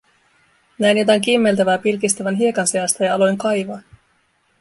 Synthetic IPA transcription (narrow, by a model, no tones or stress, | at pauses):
næjnot̪ɑŋk̟imːe̞lt̪æʋæːpilkist̪æʋænɦie̞kɑnseɑst̪ɑjɑɑlo̞jŋkɑjʋɑː